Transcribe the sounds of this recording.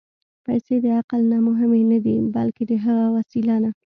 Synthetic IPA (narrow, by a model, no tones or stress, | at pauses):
pajsed̪əaqalnɑmʊɦɪmenad̪ibalked̪əɦəɣawasilɑna